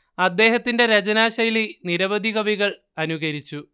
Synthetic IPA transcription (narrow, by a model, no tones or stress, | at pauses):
ɐd̪ːe̞ːɦɐt̪ːinde̞ɾɐd͡ʑɐnaːɕɐjiliniɾɐʋɐd̪ʱiɣɐʋiɣɐɭ | ɐnuɣɐɾit͡ɕːu